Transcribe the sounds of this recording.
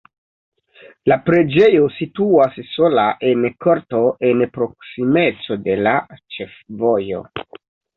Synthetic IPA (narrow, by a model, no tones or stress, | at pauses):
lapɾe̞d͡ʒe̞jo̞situasso̞laʔe̞nko̞ɾto̞ʔenpɾo̞ksime̞t͡so̞de̞lat͡ʃefvo̞jo̞̰